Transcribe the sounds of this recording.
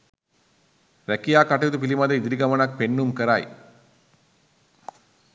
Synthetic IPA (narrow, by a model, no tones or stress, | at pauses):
ɾɐkːijaːkɐʈːɐjɐd̪ɯp̬ilimɐd̪ɐid̪iɾiɡɐmɐnɐk̚peɳːumkɐɾa̰ːj